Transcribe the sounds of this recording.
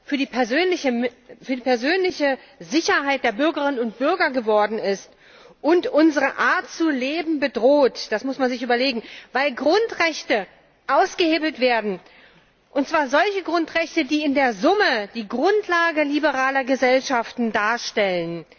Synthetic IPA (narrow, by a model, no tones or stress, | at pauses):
fyːɐdiːpʰɛɐzøːnlɪçəfyːɐdiːpʰɛɐzøːnlɪçəzɪçɐɦaɪt̚d̥eːɐbʏɐɡəʁɪnənʊnt̚b̥ʏɐɡɐɡəvɔɐdn̩ɪst | ʔʊntʔʊnzəʁəʔaːɐtt͡suleːbm̩bədʁoːtd̥asmʊsmanzɪçyːbɐleːɡŋ̩vaɪlɡʁʊntʁɛçtə | ʔaʊsɡ̥əheːbl̩tv̥eːɐdn̩ | ʔʊnt̚t͡sv̥aːɐzɔlçəɡʁʊntʁɛçtədiːɪndeːɐzʊməd̥iːɡʁʊntʰlaːɡəlibəʁaːlɐɡəzɛlʃaftn̩daːɐʃtɛlən